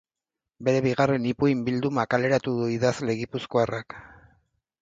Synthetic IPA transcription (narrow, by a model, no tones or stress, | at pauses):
be̞ɾe̞βiɣ̞are̞nipuimbild̪umakale̞ɾat̪uðuiðazle̞ɣipuskoarak